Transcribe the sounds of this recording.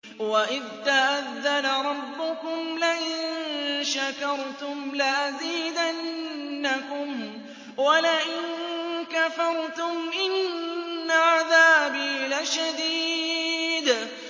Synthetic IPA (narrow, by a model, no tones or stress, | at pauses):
waʔɪðt̪aʔaðːalaɾˤɑbːʊkʊmlaʔɪnnʃakɑɾˤt̪ʊmlaʔaziːd̪anːakʊm | walaʔɪnkafɑɾˤt̪ʊmʔɪnː | aʕaðaːbilaʃad̪iː | d̪